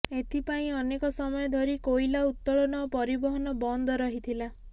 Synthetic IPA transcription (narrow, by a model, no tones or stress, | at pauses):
et̪ʰipaĩɔnekɔsɔmɔjɔd̪ʱɔɾikojlaut̪ːɔɭɔnɔpɔɾibɔɦɔnɔbɔnd̪ʱɔɾɔɦit̪ʰila